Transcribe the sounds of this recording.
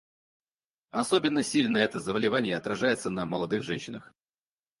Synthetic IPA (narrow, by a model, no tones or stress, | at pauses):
ɐso̞bʲɪnːəsʲilʲnəɛt̪əzəbəlʲɪvanʲɪjəɐt̪ɾɐʐajɪt̪sənəməlˠɐd̪ɨxʐɛnʲɕːɪnəx